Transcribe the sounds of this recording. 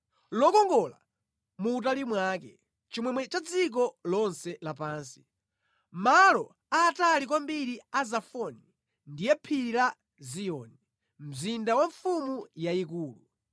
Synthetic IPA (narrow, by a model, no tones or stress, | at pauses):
lɔkɔŋɡɔla̰ | mut̬alimwakɛ | t͡ʃimwɛmwɛt͡ʃad͡zik̬ɔlɔnsɛlapaːnsi̥ | malɔ | aːtalikwambiɾiazafɔni | ndijɛpʰiɾila | zijɔni | m̩zindawaɱfumujaikuːlu